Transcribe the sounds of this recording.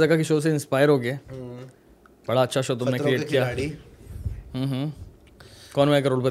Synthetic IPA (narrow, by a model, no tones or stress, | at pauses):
d͡zəɡakiʃoːs̬eɪnspajəɾɦoɡeː | bəɽaətːʃʰaʃot̪umnekɾieːʈkija | ɦə̃ːɦə̃ | kɔːnʋaek̬əɾoːɭpə